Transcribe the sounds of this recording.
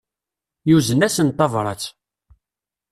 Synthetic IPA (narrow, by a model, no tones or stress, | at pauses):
juzənæsənt̪ːɑvɾˤɑ̰t͡sː